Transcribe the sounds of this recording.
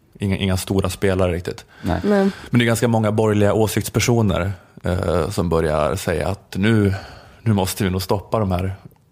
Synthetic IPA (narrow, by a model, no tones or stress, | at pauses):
ʔɪŋːʔɪŋːast̪uːɾaspeːlaɾəɾɪk̚t̪ɪ̰t̪ | mɛnd̪ɛɡanskamɔŋːabɔɾjlɪɡaʔoːsɪkt̪spʰæʂuːnə̰ɾ | sɔmbœɾja̰sɛjːa̰ːt̪nʉ̟ːnʉ̟ːmɔst̪əvɪnuːɡst̪ɔpːad̪ɔmhæːɾ